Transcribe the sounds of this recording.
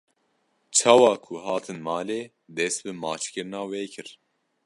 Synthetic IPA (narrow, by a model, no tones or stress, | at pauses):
t͡ʃʰɑːwɑːkʰuɦɑːt̪ʰɨnmɑːleː | d̪ɛst̪̚bɨmɑːt͡ʃkɨɾɨnɑːweːkʰɨɾ